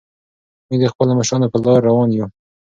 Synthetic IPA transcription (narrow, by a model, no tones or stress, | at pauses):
med̪əxpəlamaʃɾɑnapəlɑɾːawɑnju